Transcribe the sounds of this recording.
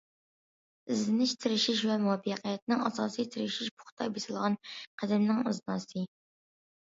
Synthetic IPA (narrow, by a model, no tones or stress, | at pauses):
ɪzlɪnɪʃt̪ʰɪɾɪʃiʃvɛmuɑbqijɛt̪̚nɪŋɑsɑːsijt̪ʰɪɾɪʃiʃbʊ̥χt̪ʰɑjbesɨlˠʁɑnqʰæd̪ɪmnɪŋuznɑːsɨ